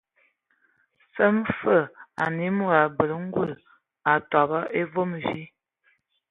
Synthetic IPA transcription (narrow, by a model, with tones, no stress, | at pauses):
sə˦mfə˦˨a̰˨ni˦mu˦˨ɾa˨bə˨lə˦ŋ̩˦ɡwu˦˨l | a˨tɔ˨bə˦ʔe˦vo˦m˨ʒi˦